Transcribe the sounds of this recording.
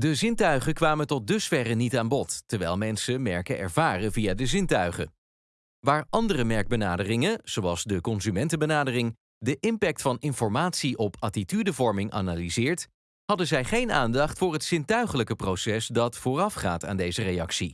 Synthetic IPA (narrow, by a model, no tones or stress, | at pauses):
dəzɪntœɥχəkʋaːməntɔt̚dɵsfɛrənitaːnbɔttəɹʋɛjlˠmɛnsəmɛɹkəɛ̰ɹvaːrəvijadəzɪntœɥχə̰ | ʋaːɹʔɑndərəmɛɹɡ̚bənaːdərɪŋənz̥owɑlˠzdəkɔnzymɛntəbənaːdərɪŋ | dəʔɪmpɛk̚tfɑnɪnfɔɹmaːtsiʔɔpatitydəvɔɹmɪŋʔa̰nalizɪːɹt | hɑdəzɛjχejna̰ːndɑχtfʊːɹɦətsɪntœɥχələkəprowsɛsdɑtfʊːrɑfχa̰ːta̰ːndejzərejɑksi